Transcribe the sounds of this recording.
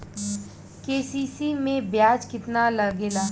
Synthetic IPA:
keːsiːsimẽbjaːd͡ʒkɪt̪nalɐɡeːlaː

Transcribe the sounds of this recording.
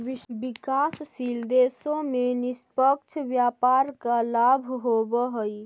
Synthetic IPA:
bibikasːild̪esõmenispəkt͡ʃʰbjapaɾkalabʱɦobəɦəj

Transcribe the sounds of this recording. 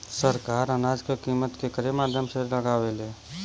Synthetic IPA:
səɾkaːɾənaːd͡ʒkekiːmət̪kekəɾemaːd̪ʱjəmseləɡaːʋeleː

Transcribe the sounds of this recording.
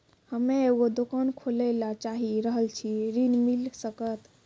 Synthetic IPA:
həmeeɡod̪okankʰolɛlat͡ʃaɦiɾəɦəlt͡ʃʰiɾinmilsəkət̪

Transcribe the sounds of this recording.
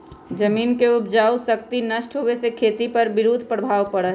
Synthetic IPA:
d͡ʒəmiːnkeʊp̚d͡ʒaːusək̚t̪inəʃʈɦowesekʰeːt̪ipɐɾbɪɾuːd̪ʱpɾəbʱaːʋpɐɽə

